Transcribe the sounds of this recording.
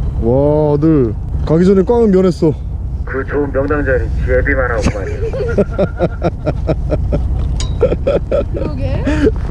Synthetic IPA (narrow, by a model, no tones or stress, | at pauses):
wadɯɭ | kaɡid͡ʑʌnek͈waŋɯnmjʌne̞s͈ʌ | kɯt͡ɕoɯmːjʌŋdaŋd͡ʑʌɾit͡ɕiebimanɦaɡomaɾeo